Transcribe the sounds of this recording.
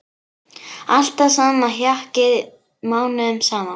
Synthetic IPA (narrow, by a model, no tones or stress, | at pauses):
al̥t̪aðsaːmaɦjahcɪð | maːwnʏʏmsaːma